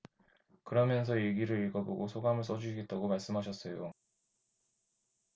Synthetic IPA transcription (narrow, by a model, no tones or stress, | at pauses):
kɯɾʌmjʌnsʰʌjeɡiɾɯɾiɭɡʌboɡosʰoɡamɯɭs͈ʌd͡ʑuɕʰiɡet̚t͈aɡomaɭs͈ɯmɦaɕ̬ʰʌs͈ʌjo̰